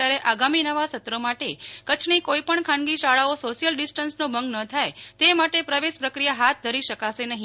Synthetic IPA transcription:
aɾeʔaɡaminəʋasət̪ɾomaʈekət͡ʃʰnikoipəɳkʰãnɡiʃaɭaosoʃijəlɖisʈənsnõbʱə̃ŋɡnət̪ʰajt̪emaʈepɾəʋeʃpɾəkɾijaɦat̪̚d̪ʱəɾiʃəkaʃenəɦĩ

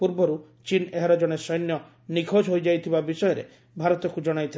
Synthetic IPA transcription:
puɾbɔɾu | t͡ʃineɦaɾɔd͡ʒɔɽ̃esɔjnjɔ | nikʰod͡ʒɦojd͡ʒajt̪ʰibabisɔjɔɾḛ | bʱaɾɔt̪ɔkud͡ʒɔɽ̃ajt̪ʰi

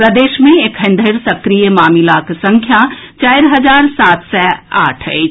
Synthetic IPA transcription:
ɾəd̪eʃmẽekʰə̃nd̪ʱəɪɾsəkɾijəmamilaksə̃ŋkʰjat͡ʃaɪɾɦəd͡ʒaɾsat̪sɛa̰ʈʰəɪt͡ʃʰ

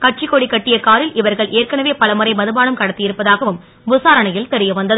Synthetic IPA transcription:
kɐʈ̚t͡ʃɪkoːɽikːɐʈːɪjɐkaːɾɪlʔɪʋɐɾɣɐɭʔeːrkɐɳɐʋeːpɐlɐmɯɾɐɪmɐðɯbaːnɯmkɐɽɐt̪ːɪjɪɾɯpːɐðaːɣɐʋɯm | bʊsaːɾɐɳɐjɪlt̪ɛɾɪjɐʋɐnd̪ɐðɯ

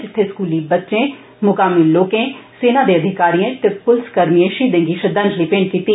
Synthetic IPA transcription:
d͡ʒɪt̪ʰːeːskuːliːbətːʃẽː | mʊkaːmilloːkẽːseːnãːd̪eːəd̪ʱɪkaːɾijẽʈɪpːʊlskəɾmiẽːʃiːd̪ẽŋɡiːʃəd̪ãnd͡ʒliːpẽːɳɖkiːt̪iː

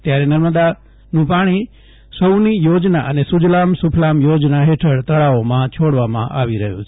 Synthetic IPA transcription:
t̪jaɾɛnəɾməd̪a | nũpaɽ̃i | səwnijod͡ʒnaʔənesʊd͡ʒlamsʊpʰlamjod͡ʒnaɦeʈʰəɽt̪əɭaomãt͡ʃʰoɽʋamã̰ʔaʋiɾəɦjṵ̃t͡ʃʰ

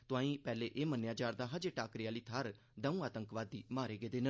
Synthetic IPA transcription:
t̪ʊãːĩːpɛːleːʔeːmənjaːt͡ʃaːɾd̪aːɦəd͡ʒeːʈaːkɾɪaːliːt̪ʰaːɾ | d̪əũːaːt̪əŋkʋaːd̪iːmaːɾeːɡeːd̪eːnə

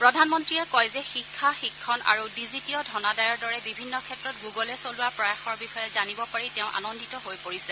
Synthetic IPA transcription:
pɹɔdʱanmɔntɹiakɔjzɛxikʰːaxikʰːɔna̰ɹudizitiɔdʱɔnadajɔɹdɔɹɛbibʱinːɔkʰɛtɹɔt̚ɡuɡɔlɛsolʊwapɹajaxɔɹbixɔjɛzanibɔpaɹitɛʊ̃ʔa̰nɔndʱitɔɦojpoɹisɛ

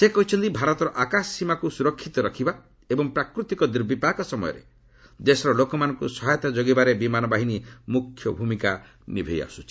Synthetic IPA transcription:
sekɔɦit͡ʃʰɔnt̪ibʱaɾɔt̪ɔɾɔʔakassimakusuɾɔkʰːit̪ɔɾɔkʰiba | ebɔŋpɾakɾut̪ikɔd̪iɾbipakɔsɔmɔjɔ̰ɾḛ | d̪esɾɔlokɔmanɔŋkusɔɦajɔt̪ad͡ʒoɡibaɾebimanɔbaɦinimukʰːjɔbʱumika | nḭbʱeja̰sut͡ʃʰi

